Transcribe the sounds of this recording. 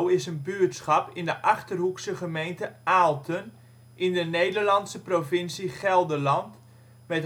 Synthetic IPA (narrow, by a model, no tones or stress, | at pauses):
ɪsənbyətsχɑpɪndəʔɑχtərɦuksəχəmejntəaːlˠtən | ʔɪndənejdərlɑnsəprofɪnsiχɛlˠdəlɑnt | mɛt